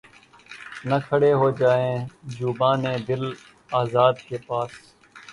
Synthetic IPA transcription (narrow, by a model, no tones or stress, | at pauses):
nəkʰəɽeːɦoːd͡ʒaːẽːd͡ʒuːbãːnẽːd̪ɪl | aːzaːd̪keːpaːs